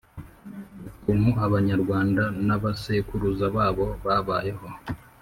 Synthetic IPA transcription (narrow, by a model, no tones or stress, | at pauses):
kumuaβaɲaɾɡwaːndanaβasekuɾuzaβaːβo̞βaβaːje̞ho̞